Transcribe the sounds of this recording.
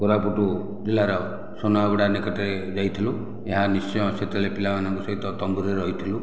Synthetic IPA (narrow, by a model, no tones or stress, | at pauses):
koɾapuʈu | d͡ʒilaɾɔ | sonaɦbɔɽanekɔʈaɾed͡ʒajt̪ʰilu | eɦanist͡ʃɔjɔset̪eɭepilamanaŋkɔsɔɦit̪ɔt̪ɔmbuɾeɾɔɦit̪ʰilu